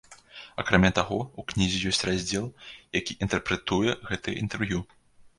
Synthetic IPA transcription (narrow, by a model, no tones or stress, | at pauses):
akɾamʲat̪aɣɔuknʲizʲijɔsʲt͡sʲrazʲd͡zʲɛlˠjakʲiʔint̪ɛrpɾɛt̪ujɛɣɛt̪ɨḭnt̪ɛrvju